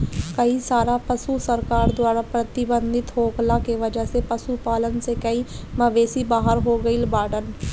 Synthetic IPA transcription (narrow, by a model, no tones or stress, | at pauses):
kəisaːɾapəsusəɾkaːɾd̪waːɾapɾət̪ɪbə̃nd̪ʱɪt̪ɦoːklãkeʋəd͡ʒəɦsepəsupaːlənsekəiməʋeːsibaːɦəɾɦoɡəilbaːɖən